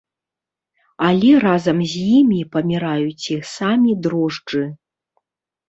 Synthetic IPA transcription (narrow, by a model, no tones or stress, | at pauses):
alʲɛrazɐmzʲjimʲipɐmʲiɾajut͡sʲixsamʲid̪ɾɔʐd͡ʐɨ